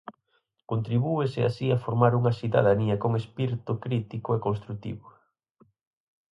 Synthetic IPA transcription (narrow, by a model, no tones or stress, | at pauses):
kont̪ɾiβueseasiafoɾmaɾuŋɐsiða̰ðaniɐkoŋespiɾt̪ʊkɾit̪ikoekõnst̪ɾut̪ḭβʊ